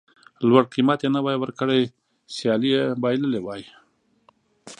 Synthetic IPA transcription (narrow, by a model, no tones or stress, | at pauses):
lwaɽqimat̪jenawɑjwəɾkəɽej | sjɑlijebɑjləlewɑj